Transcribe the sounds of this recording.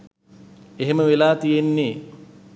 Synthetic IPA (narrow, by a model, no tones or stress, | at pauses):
eɦeməʋelaːt̪ijenːeː